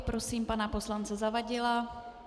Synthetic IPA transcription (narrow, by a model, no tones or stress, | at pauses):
pɾo̞siːmpanapo̞slant͡sɛzavaɟɪla